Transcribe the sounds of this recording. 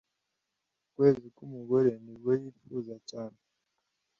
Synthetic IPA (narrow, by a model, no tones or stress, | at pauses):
ukwe̞ːzikumuɡoɾe̞nibɡwejiːfuzacaːne